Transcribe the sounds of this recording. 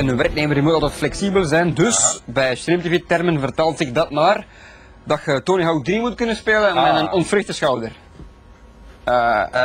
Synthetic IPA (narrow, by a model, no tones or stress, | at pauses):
ɛnənʋɛrkneːmərdimutɑlˠtɛtflɛksiːbəlˠzɛjndɵsbɛjst̪rɪmtivitɛrmənvərtaːlˠtɪk̚dɑtnaːr | dɑtxətoːniɦaw̚driːmutkɵnənspeːlənmɛnənɔnfrɪxtəsxɑwdər